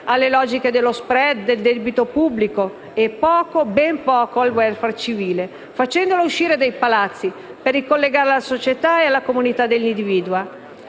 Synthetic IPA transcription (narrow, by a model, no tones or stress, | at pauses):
alːelɔːd͡ʒiked̪elːospɾɛd̪d̪eld̪ɛbit̪opubːliko | epːɔːkobɛmpɔːkoalwɛlfart͡ʃiviːle | fat͡ʃɛnd̪olouʃːiːɾed̪ejpalat̪sːi | perːikolːeɡaːɾelasot͡ʃet̪aealːakomunit̪ad̪elːind̪iviːd̪wa